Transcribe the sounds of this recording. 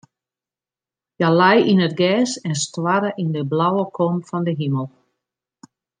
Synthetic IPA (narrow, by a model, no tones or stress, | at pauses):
jalajinətɡɛːsɛnstwaɾəʔindəblawəkʰomfɔndəɦiməlˠ